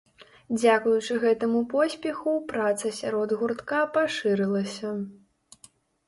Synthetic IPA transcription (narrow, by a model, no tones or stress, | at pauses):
d͡zʲakujut͡ʂɨɣɛt̪ɐmupɔsʲpʲɛxupɾat̪sɐsʲaɾɔd̪ɣurt̪kapaʂɨɾɨlˠɐsʲɐ